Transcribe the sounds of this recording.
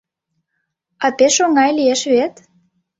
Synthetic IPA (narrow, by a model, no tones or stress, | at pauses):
ɑpeʃoŋɑjlijeʃβet̪